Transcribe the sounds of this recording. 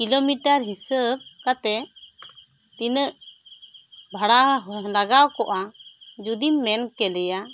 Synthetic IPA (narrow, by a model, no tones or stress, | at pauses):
kilomiʈaɾɦisəb̚kat̪ɛ | t̪inəʔ | bʱaɽaɦlaɡawkɔʔa | d͡ʒud̪imːɛnkɛlɛja